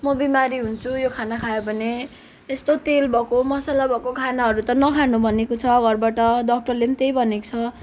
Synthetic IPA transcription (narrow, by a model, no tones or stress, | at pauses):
mʌbimaɾiɦunt͡sʰujokʰanakʰajobʱʌne | est̪ot̪elbʱʌkomʌsalabʱʌkokʰanaɦʌɾut̪ʌnʌkʰanubʱʌnekot͡sʰʌɡʌrbaʈʌɖʌk̚ʈʌrlemt̪ejbʱʌneko̥t͡sʰʌ